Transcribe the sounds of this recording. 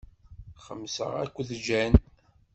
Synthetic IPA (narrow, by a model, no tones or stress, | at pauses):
χəmːsə̰ʁækʷːðd͡ʒæn